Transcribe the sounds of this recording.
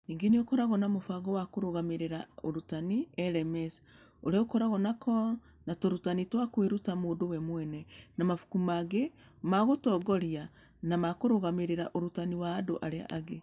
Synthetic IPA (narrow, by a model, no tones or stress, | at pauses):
niːŋɡeneokɔɾaɣɔnamofaɣɔwakoɾoɣameɾeɾao̰ɾutaniɛɾɛmɛs | oɾeokɔɾaɣɔnakʰɔ | natoɾutanitwakweɾutamoːdowɛmwɛnɛnamafu̥kumaɣe | maɣotɔɡɔɾia | namakoɾoɣameɾeɾaʔoɾutaniwaːdoʔaɾea̰ʔaɣe